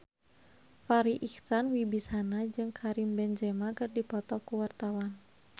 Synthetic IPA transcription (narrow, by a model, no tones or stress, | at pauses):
faɾiʔiksanwibisanad͡ʒɨŋkʰaɾimbɛnd͡ʒɛmakɨrdipɔt̪ɔkuwart̪awan